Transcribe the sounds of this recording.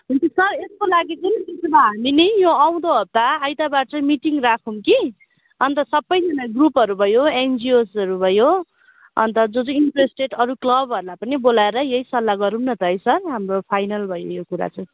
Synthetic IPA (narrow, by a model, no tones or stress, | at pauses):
ɦunt̪isʌreskolaɡit͡sunit̪isbaɦaminijoaw̃d̪oɦʌp̚t̪aːjt̪abat͡sʌmiʈiŋrakʰumki | ʌnt̪ʌsʌbːʌjd͡zʌnaɡrupɦʌɾubʱʌjoend͡ziosʌɾubʱʌjo | ʌ̰nt̪ʌd͡zod͡zuiɳʈresʈeʈʌɾuklʌbɦʌɾmapʌnibolaeɾʌjeisʌlːaɡʌɾunnʌt̪ʌɦʌjsʌrɦamropʰajnʌlbʱʌjo̰jokuɾa̰t͡sʌ